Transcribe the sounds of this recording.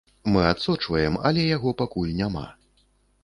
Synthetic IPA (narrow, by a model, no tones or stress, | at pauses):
mɨat̪sɔt͡ʂvɐjɛmɐ̰lʲɛjaɣɔpakulʲnʲama̰